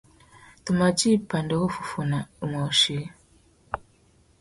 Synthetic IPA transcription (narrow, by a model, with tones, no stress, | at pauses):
tu˨ma˨t͡ʃi˦˨pa˨ndɔ˨˦ko˦fu˨fu˨na˨u˨ma˨ʃi˨˦